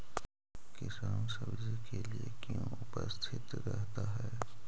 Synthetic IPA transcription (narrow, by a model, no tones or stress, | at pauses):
kɪsaːnsɐbzikeliekjõʊpə̰st̪ʰɪt̪ɾɛɦt̪aɦɛː